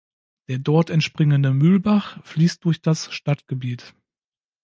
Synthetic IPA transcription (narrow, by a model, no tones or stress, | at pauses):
d̥eːɐdɔɐtɛntʃpʁ̥ɪŋəndəmʏlbaχfliːst̚d̥ʊɐçd̥asʃtatɡ̥əbiːt